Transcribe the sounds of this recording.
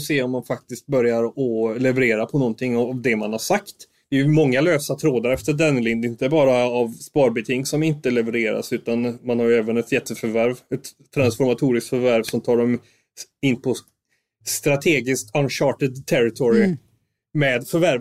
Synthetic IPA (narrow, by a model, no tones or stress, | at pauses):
seːɔmːanfak̚t̪ɪst̪̚bœɾjaɾɔlɛvəɾeːɾapʰɔnɔnt̪ʰɪŋːavd̪ɛmanhaʂakt̪ | d̪ɛjmɔŋːaløːsat̪ʰɾoːd̪əɾɛft̪əɖɛnlɪnd̪ɪnt̪əbɑːɾaːvspɑːɾbɪt̪ʰɪŋsɔmɪnt̪əlɛvəɾeːɾa̰sʉ̟ːt̪anmanhaɾjɛːvənɛt̪jɛt̪ʰːəfœɾvæɾvɛt̪ʰːɾansfɔɾmat̪ʰuːɾɪskt̪fœɾvæɾvsɔmt̪ʰɑːɖɔm | ɪnːpʰɔ | st̪ɾat̪ʰeːɡɪskt̪anɕɑːʈəd̪t̪ʰːɛɾɪt̪ʰɔɾɪ | mɛːd̪fœɾvæɾv